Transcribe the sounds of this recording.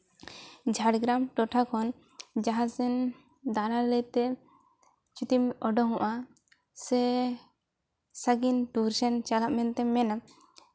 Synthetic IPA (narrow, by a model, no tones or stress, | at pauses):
d͡ʒʱaɽɡɾamʈɔʈʰakʰɔn | d͡ʒaɦasɛn | d̪analət̪ɛ | t͡ʃut̪imɔɖɔɦɔ̃ʔa | sɛ | saɡinʈuɾsɛnt͡ʃalaʔ̚mɛnt̪ɛmɛna